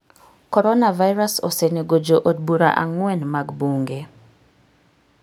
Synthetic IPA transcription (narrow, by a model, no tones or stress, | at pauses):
kɔɾɔnavajɾasɔ̰seneɡod͡ʒoʔod̚buɾa̰ʔa̰ŋwɛnmaɡbuŋɡe